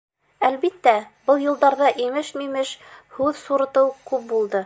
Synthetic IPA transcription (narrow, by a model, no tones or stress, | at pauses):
ælβit̪ːæbɤlˠjɤ̆lˠd̪ɑɾðɑʔimɘʃnimɘʃhʉðsuɾɤ̆t̪ɤwkʉp̚bulˠd̪ɤ